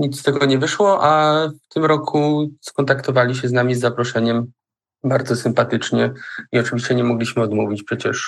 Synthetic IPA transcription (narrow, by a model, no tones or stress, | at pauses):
ɲit̪t̪ɛɡɔɲɛvɘʂwɔʔaft̪ɘmɾɔkʰuskɔnt̪akt̪ɔvalʲiɕɛznamʲizːapɾɔʂɛɲɛm | baɾd̪zɔsɘmpat̪ɘt͡ʂɲɛiɔt͡ʂɘvʲiɕt͡ɕɛɲɛmɔɡlʲiɕmɘɔd̪muvʲit͡ɕpʂɛt͡ɕɛ̰ʂ